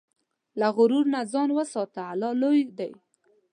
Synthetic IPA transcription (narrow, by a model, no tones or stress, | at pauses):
laɣʊɾuɾnazɑnwəsɑt̪aalɑlojd̪aj